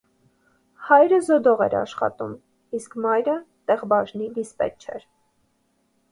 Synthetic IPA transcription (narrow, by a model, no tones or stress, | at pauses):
hɑjɾəzɔd̪ɔʁɛ̰ɾɑ̰ʃχɑ̰t̪um | iskʰmɑjɾət̪ɛʁbɑʒnid̪ispɛ̰t͡ʃʰɛ̰ɾ